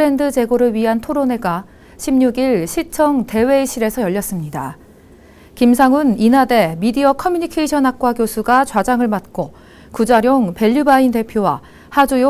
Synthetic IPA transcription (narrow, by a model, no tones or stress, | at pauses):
ɾe̞ndɯd͡ʑe̞ɡoɾɯɭɥiɦantʰoɾone̞ɡa | ɕʰimɲuɡiɭɕʰit͡ɕʰʌŋte̞we̞iɕʰiɾe̞sʰʌjʌʎːʌs͈ɯmɲida̰ | kimsʰaŋɯninade̞midiʌkʰʌmjuɲikʰeiɕʰʌnɦak̚k͈wakjosʰuɡat͡ɕwad͡ʑaŋɯɭmat̚k͈o | kud͡ʑaɾjoŋpe̞ʎːubainte̞pʰjowa̰ | had͡ʑujo